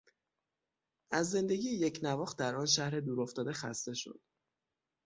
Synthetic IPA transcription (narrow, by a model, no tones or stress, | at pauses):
ʔæzːe̞nd̪e̞ɡʲiːjeje̞cʰnævɒːχt̪d̪æɾɒːnʃæhɾe̞d̪uːɾoft̪ɒːd̪exæst̪e̞ʃo̞̰d̪̥